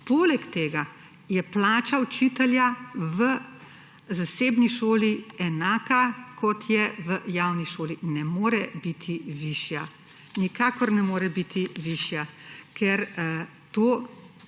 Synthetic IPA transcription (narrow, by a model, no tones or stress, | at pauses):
poːlɛkt̪eːɡa | jɛplaːt͡ʃaut͡ʃiːt̪ɛljaʋə | zaseːbniʃoːliɛnaːkakʰɔt̪ʰjɛʋəjaːwniʃoːlinɛmoːɾɛbit̪ʰiʋiːʃja | nikaːkɔɾnɛmoːɾɛbit̪ʰiʋiːʃjakʰɛɾ | t̪oː